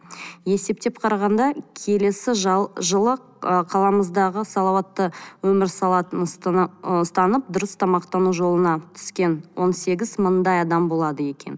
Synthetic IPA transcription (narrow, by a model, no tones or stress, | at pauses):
je̞se̞p̚t̪e̞p̚qʰɑɾɑʁɑnd̪ɑkʲʰe̞le̞sɪʒʒəlˠə | əqʰɑlˠɑməzd̪ɑʁəsɑlˠɑwɑt̪ːəwɵmɪɾsɑlˠɑt̪ən | st̪ɑnəp̚d̪ʊɾəst̪ʰɑmɑqt̪ɑnuʒo̞lˠənɑt̪ʰʏ̥skʲe̞nwo̞nse̞ɡʲɪzmənd̪ɑjɑd̪ɑmbo̞lˠɑd̪əje̞kʲe̞̰n